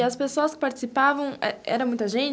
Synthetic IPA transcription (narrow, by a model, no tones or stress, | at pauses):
ɐspesoɐskɪ̥paɾt͡ʃi̥sipavɐ̃w̃ɛɛ̰ɾɐmũj̃t̪ɐʒẽnt͡ʃ